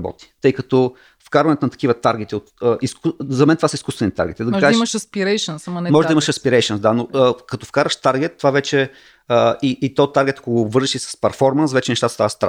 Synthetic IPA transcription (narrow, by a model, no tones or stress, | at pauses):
bɔ̰t̪i̥t̪ɤjkɐt̪ɔ | fkaɾvəɐnɛt̪onɐt̪ɐ̥kivət̪aɾɡɛt̪iot̪əʔiskzɐmɛnt̪ovasəiskust̪vɛnit̪a̰ɾɡʲɛt̪id̪ɐɡkaʒɛʃiməʃɐspiɾɛjʃənsɐmɐnɛmɔʒɛd̪iməʃɐspiɾɛjʃənsd̪anoəkɐt̪ofkaɾvəʃt̪aɾɡɛt̪ːovavɛt͡ʃɛ | əiʔit̪ɔt̪ːaɾɡʲɛt̪ɐkoɡoːbvɤɾʒiʃisɐ̥spɐɾfɔɾmənsvɛt͡ʃɛnʃt̪at̪əst̪avəst̪ɾa